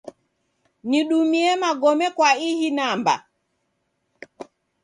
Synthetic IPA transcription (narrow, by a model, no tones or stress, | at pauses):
niɗumiɛmaɡɔmɛkwaihinamba̰